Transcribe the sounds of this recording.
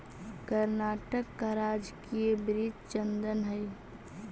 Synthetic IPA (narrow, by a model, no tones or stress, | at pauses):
kəɾnaːʈəkːaɾaːd͡ʒkiebɾid͡ʒt͡ʃə̃nd̪ənɦɛj